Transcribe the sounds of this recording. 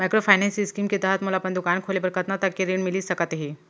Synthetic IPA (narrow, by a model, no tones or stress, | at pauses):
majkɾofajnensiskiːmket̪aɦət̪məlaːpəɳd̪ukankʰolebəɾkət̪nat̪akːiɾeɳmiliːsəkat̪ɦi